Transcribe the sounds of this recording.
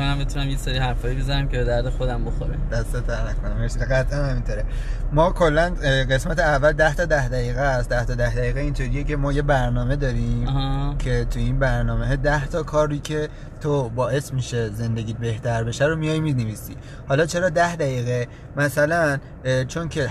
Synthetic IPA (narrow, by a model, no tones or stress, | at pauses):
æmbet̪ʰunæmjeseɾihæɾfɒːjibezɐɾæmkebe̞d̪æɾd̪exod̪æmboxoɾæ̰d̪̥æst̪et̪ʰæɾnækʰonæmeesieɡæt̪ʰʔænhæmint̪ʰoːɾe | mɒːkʰo̞lːænɢe̞smæt̪ʰeævːæld̪æht̪ʰɒːd̪æhd̪æiːɣest̪d̪æht̪ʰɒːd̪æhd̪æiːɣeint̪ʰoːɾijece̞mɒːje̞bæɾnɒːme̞d̪ɒːɾiːmhcʰe̞t̪ʰujiːnbæɾnɒːmeɦɛd̪æht̪ʰɒːkʰɒːɾːicʰe̞ | t̪ʰobɒːʔe̞smiʃe̞ze̞nd̪e̞ɡʲiːbe̞ht̪ʰæɾbe̞ʃæɾomijɒjmineviːsḭː | hɒːlɒːt͡ʃʰe̞ɾɒːd̪æhd̪æjiːɣe | mæsælæn | t͡ʃʰo̞ncʰe